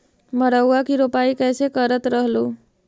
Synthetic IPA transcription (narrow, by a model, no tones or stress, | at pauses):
məɾəwːakiɾopaikɛːsekəɾət̪ɾəɦlo